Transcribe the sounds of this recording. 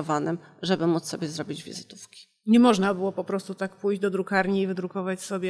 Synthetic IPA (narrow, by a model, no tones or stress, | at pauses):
ɔvanɘmʐɛbɘmut̪sɔbʲjɛzɾɔbʲid͡ʑvʲḭzɘt̪ufkʲi̥ | ɲɛmɔʐnabɘwɔpɔpɾɔst̪ut̪akpujʑd͡ʑd̪ɔd̪ɾukaɾɲiːvɘd̪ɾukɔvat͡ɕsɔbʲjɛ